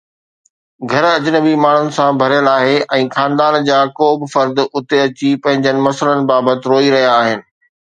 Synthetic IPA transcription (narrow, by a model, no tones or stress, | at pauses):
ɡʱɐɾɐd͡ʑɪnəbimaːɳ̤ʊnɪ̆sãbʱɐɾjəlaːɦeʔɛ̃ːxãːnd̪aːnd͡ʑaːkoːbɪfɐɾd̪ʊt̪eɐt͡ɕipɐ̃ɦɪ̃ɲd͡ʑənɪ̆mɐsələnɪ̆baːbət̪ɪɾoːiɾɐɦijaːɦɪnɪ̆